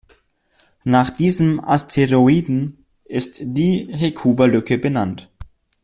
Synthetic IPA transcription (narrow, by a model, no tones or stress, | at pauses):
naːχd̥iːzəma̰stʰeʁoiːdn̩ | ʔɪstd̥iːɦekʰuːbɐlʏkəbənant